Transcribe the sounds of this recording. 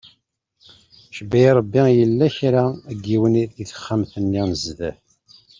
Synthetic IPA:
ʃəbæjɾˤəbːijəlːæçɾaæɡːiwəniθiθə̥χːamθənːinəzðæf

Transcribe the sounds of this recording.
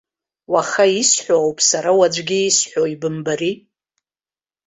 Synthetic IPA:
waχaisħʷoawpʰʼsaɾawad͡ʒʷɡʲiːsħʷᶣoibɨmbari

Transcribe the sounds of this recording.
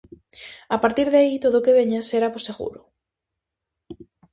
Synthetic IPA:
apaɾt̪iɾðait̪oðokeβeɲaseɾaposeɣṵɾʊ

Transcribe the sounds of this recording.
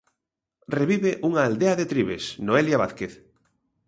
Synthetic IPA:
reβiβeʔuŋaːld̪eaðet̪ɾiβesnoeljaβaθkeθ

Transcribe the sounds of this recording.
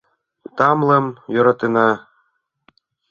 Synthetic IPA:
t̪ɑmlɤ̆mjŏɾɑt̪enɑ

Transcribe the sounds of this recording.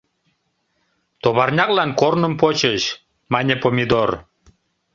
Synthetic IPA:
t̪oβɑrnʲɑklɑnkornəmpot͡ɕəɕ | mɑnʲepomʲid̪or

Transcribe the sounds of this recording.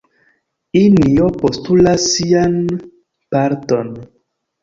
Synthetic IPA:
inijɔpostulasian | paɾton

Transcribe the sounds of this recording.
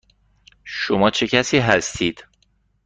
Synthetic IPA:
ʃomɒːt͡ʃʰe̞cʰæsiːɦæst̪ʰiːd̪̥

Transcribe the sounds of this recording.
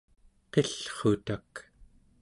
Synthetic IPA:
qeɬχot̪ak

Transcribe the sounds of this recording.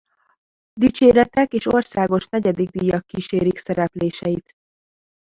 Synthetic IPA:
d̪it͡ʃeːɾɛt̪ɛkeːʃo̞rsaːɡo̞ʃnɛɟɛd̪iɡ̚d̪ijɒkːiːʃeːɾiksɛɾɛpleːʃɛjit̪

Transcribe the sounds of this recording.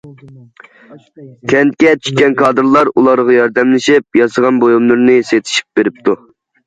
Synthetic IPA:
kʲʰɛnt̪̚kʲɛt͡ʃʰy̥t̪̚kʲɛnkʰɑːd̪ɨɾlˠɑɾulˠɑɾʁɑjɑɾd̪ɛmlɪʃip̚jɑsəʁɑnbojumlˠɨɾnɨset̪ʰɪ̥ʃi̥p̚beɾɪp̚t̪ʰu

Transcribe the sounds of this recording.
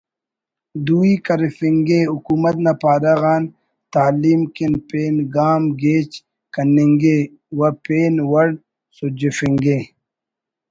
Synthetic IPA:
d̪uːikɐɾifiŋɡeukuːmɐt̪nɐpaːɾaɣaːn | t̪aːliːmkinpeːnɡaːmɡeːt͡ʃ | kɐneŋɡe | wɐpeːnwɐɽ | sud͡ʑefiŋɡeː

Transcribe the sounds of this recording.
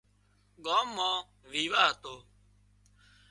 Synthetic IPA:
ɠaːmːãː | ʋiːʋaːɦət̪oː

